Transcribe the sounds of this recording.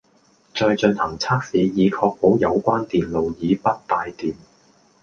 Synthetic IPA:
t͡ʃɔː˧jt͡ʃɵ˧nhɐ˨˩ŋt͡sʰaː˥k̚siː˨˥jiː˨˧kʰɔː˧k̚po˨˥wjɐ˨˧wkʷaː˥nt̪iː˨nlo˨wjiː˨˧pɐ˥t̚t̪aː˨jt̪iː˨˩n

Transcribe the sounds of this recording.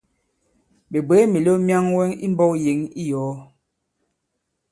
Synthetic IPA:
be˨be˨˦mi˨lo˦mja˦ŋwɛ˦ŋḭ˦m˦bɔ˦kje˨˦ŋi˦jɔː˨˦

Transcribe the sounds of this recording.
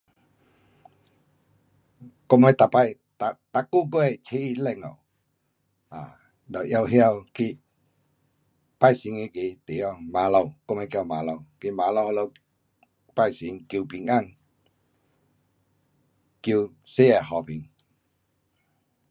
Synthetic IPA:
kɔ˧mə˧˦jt̪a˨pa˧j | t̪a˨t̪a˧˨ku˦˨bə˦ɛ˧jt͡ʃʰe˧˦i˧lɛ˧˨ŋo̰˨w | a̰˨ | dɔ˨ʔja˧wɦja˧˨wki˧ | pa˧˨jsi˨˦ŋe˧˦ki˧˦t̪i˨jɔ˧˨ma˨lo˧˨wkɔ˧ma˧jkja˧wma˨lo˧˨wki˧ma˨lo˧˨˧lo˧w | pa˧jsi˨˦ŋki˧˨pi˨ŋa˧˨ŋ | ki˧w | se˦ɛ˧˨hɔ˨pi˨ŋ

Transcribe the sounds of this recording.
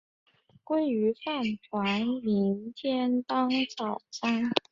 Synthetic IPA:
kwe˥ɪy˧˥fa˥˩ntʰwa˧˥nmi˧˥nt̪ʰjɛ˥nt̪ɑ˥ŋt͡sɑ˨˩ʊt͡sa˥n

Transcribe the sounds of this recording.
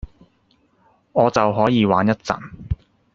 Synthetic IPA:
ɔː˨˧t͡sɐ˨wɦɔː˨˥jiː˨˧waː˨˥njɐ˥t̚t͡sɐ̰˨˩n

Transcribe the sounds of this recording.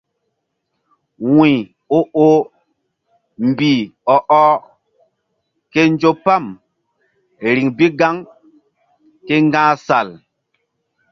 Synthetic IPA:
wĩ˨ | o˦o˦ | m˨bi˨ɔ˨ʔɔ˦ | ke˦nd͡ʒo˦pa˦˨m | ɾi˨ŋbi˦ɡa˦ŋ | ke˦ŋɡãː˦sa˨l

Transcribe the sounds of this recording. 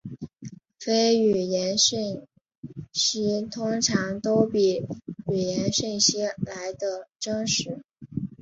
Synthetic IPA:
fe˥ɪy˨˩jɛ˧˥nɕi˥˩ŋ | ɕi˥t̪ʰʊ˥ŋʈ͡ʂʰɑ˧˥ŋt̪o˥ʊpi˨˩y˨˩jɛ˧˥nɕy˥˩˧ŋɕi˥la˧˥ɪd̪ə˧ʈ͡ʂɤ˥ŋʂɻ̩˧˥

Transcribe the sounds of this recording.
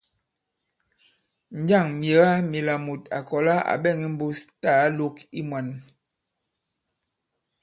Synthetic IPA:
ɲ˦d͡ʒa˦˨ŋmje˨˦ɣa˦mi˨la˨mu˨ta̰˨kɔ˨la˦a̰˨ɓɛ˦˨ŋi˦m̩˦bo˦sta˦˨˦lo˦ki˦mwa˨n

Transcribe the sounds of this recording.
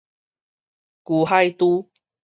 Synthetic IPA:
ku˨˩ɦa˥˧jt̪u˦

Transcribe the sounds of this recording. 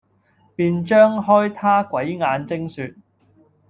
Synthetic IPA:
piː˨nt͡ʃœː˥ŋɦɔː˥jt̪ʰaː˥kʷɐ˨˥jŋaː˨˧nt͡sɪ˥ŋsyː˧t̚

